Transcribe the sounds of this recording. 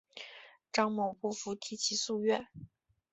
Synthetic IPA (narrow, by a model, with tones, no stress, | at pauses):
ʈ͡ʂɑ˥ŋmo˨˩ʊpɔ˥˩fu˧˥t̪ʰi˧˥t͡ɕʰi˧˥su˥˧ɥɛ˥˩n